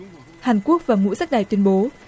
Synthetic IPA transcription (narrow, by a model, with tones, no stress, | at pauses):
haː˨˩nku˦˥ək̚vaː˨˩ŋṵ˧˥za˦˥k̚ɗaː˨˩jt̪wi˧ənɓo˨˦